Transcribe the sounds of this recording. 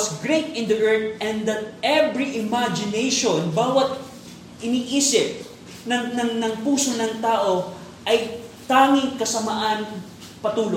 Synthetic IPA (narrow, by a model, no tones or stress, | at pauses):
sɡɹet̪ɪ̃nd̪ɐʔɛɹt̪̚ɛ̃nd̪ɐt̪̚ʔɛvɹiʔɪmad͡ʒɪnejʃonbaːwɐt̪̚ | ʔɪniːʔiːsɪp̚ | nɐnɐŋnɐŋpuːsonɐŋt̪aːʔo̞ | ʔɐjt̪aːŋɪŋkɐsɐmaʔɐn | pɐt̪uːlo